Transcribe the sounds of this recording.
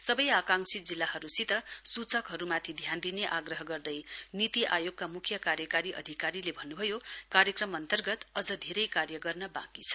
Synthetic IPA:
sʌbʌjakaŋsid͡zilːahʌɾusit̪ʌsut͡sʌkɦʌɾumat̪ʰid̪ʱjand̪ineʔaɡrʌɦʌɡʌrd̪ʌjnit̪iʔajoɡ̚kamukʰjʌkaɾjʌkaɾiʔʌ̰d̪ʱikaɾilebʱʌnːubʱʌjokarjʌkrʌmʌnt̪ʌrɡʌt̪ʌd͡zʌd̪ʱeɾʌjkarjʌɡʌrnʌbã̰kit͡sʰʌ̥

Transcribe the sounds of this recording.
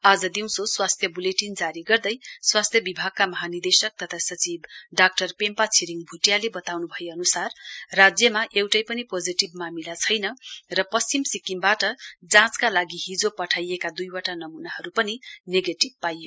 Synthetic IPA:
ad͡zʌd̪iw̃soswast̪ʰjʌbuleʈind͡zaɾiɡʌrd̪ʌjswast̪ʰjʌbibʱaɡ̚kamʌɦanird̪esʌk̚t̪ʌt̪ʰasʌt͡sibɖak̚ʈʌrpempat͡sʰiɾiŋbʱuʈjalebʌt̪awnubʱʌjeʌnusarːad͡zjʌmaʔewʈʌjpʌnipod͡ziʈib̚mamilat͡sʰʌjnʌrʌpʌst͡simsikimbaʈʌd͡zãt͡skalaɡiɦid͡zopʌʈʰajekad̪ujwaʈanʌmunaɦʌɾupʌnineɡeʈib̚pajo

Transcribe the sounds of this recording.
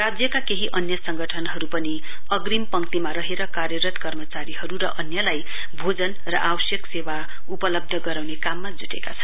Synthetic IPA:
rad͡zjʌkakeɦiʔʌnjʌsʌŋɡʱʌʈʰʌnɦʌɾupʌni | ʌɡrimpʌŋt̪imaɾʌɦeɾʌkarjʌɾʌt̪kʌrmʌt͡saɾiɦʌɾuɾʌʔʌnjʌlaj | bʱod͡zʌn | rʌʔawʌsjʌksewa | upʌlʌb̚d̪ʱʌɡʌɾawnekamːad͡zuʈḛkat͡sʰʌ̥n

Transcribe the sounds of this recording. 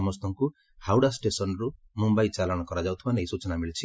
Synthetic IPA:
mʌst̪ʌŋku | hawɽasʈesʌnɾu | mumbajt͡salaɽ̃ʌkʌɾad͡zawt̪ʰubʌneɦisut͡sʌnaɦmilt͡sʰi

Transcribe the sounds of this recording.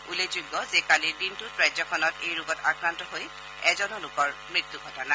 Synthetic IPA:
ulezuɡːɔzekalidintʊtɹajzɔkʰɔnɔtejɹʊɡɔtakɹantɔɦoj | ɛzɔnɔlʊkɔɹmɹit̪ːuɡʱɔtɔna

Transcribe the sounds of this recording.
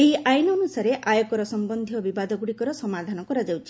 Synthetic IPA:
eɦiʔajnɔːnusaɾeʔajɔkɔɾɔsɔmbɔnd̪ʱijɔbibad̪ɔɡuɽikɔɾɔsɔmad̪ʱanɔkɔɾad͡ʒawt͡ʃʰi

